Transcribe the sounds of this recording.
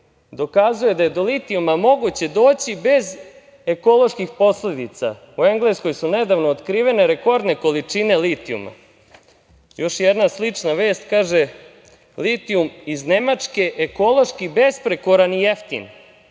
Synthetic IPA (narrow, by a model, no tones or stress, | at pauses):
d̪o̞kazuje̞d̪aje̞d̪o̞lit̪iumamo̞ɡut͡ɕe̞d̪o̞ːt͡ɕibe̞z | eko̞lˠo̞ʃkixpo̞sle̞d̪it̪sa̰ | ue̞ŋɡlesko̞jsune̞d̪aʋnoːt̪kɾiːʋe̞ne̞ɾe̞ko̞ɾd̪ne̞ko̞lit͡ʂine̞lit̪iṵma̰ | jo̞ʃjed̪naslit͡ʂnaʋe̞ːst̪kaːʒe̞ | lit̪iumizne̞mat͡ʂke̞ʔeko̞lˠo̞ʃkibe̞spɾe̞koɾanijeft̪ḭn